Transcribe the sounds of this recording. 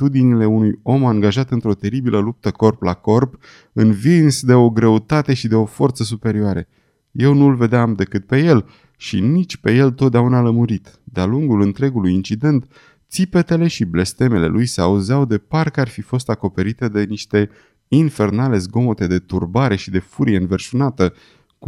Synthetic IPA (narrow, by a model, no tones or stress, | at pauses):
t̪ud̪inile̞unujo̞maŋɡaʒat̪ɨnt̪ɾo̞t̪e̞ɾibiləlup̚t̪əko̞rplako̞rp | ɨnvinsd̪e̞o̞ɡɾe̞ut̪at̪e̞ʃid̪e̞o̞fo̞rt̪səs̬upe̞ɾioaɾe | je̞wnulve̞d̪eamd̪e̞kɨt̪̚pe̞je̞l | ʃinit͡ʃʲpe̞je̞lt̪ot̪̚d̪eaunaləmuɾit̪ | d̪ealuŋɡulɨnt̪ɾe̞ɡulujint͡ʃid̪e̞nt̪ | t̪sipe̞t̪e̞le̞ʃible̞st̪e̞me̞le̞̰lʔujseauzawd̪e̞parkarfifo̞st̪ako̞pe̞ɾit̪ed̪e̞niʃt̪e̞ | infe̞rnale̞zɡo̞mo̞t̪e̞d̪e̞t̪ṵrbaɾe̞ʃid̪e̞fuɾie̞ɨnverʃunat̪ə